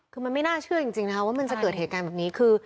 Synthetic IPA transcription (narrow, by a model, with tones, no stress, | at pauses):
kʰɯː˧ma˧nma˥˩jnaː˥˩t͡ɕʰɯ˥˩ɐt͡ɕi˧ŋt͡ɕi˧ŋna˦˥kʰa˦˥waː˥˩ma˧nt͡ɕa˨˩kɤː˨˩t̪̚heː˨˩t̪̚kaː˧bɛː˨˩p̚niː˦˥kʰɯː˧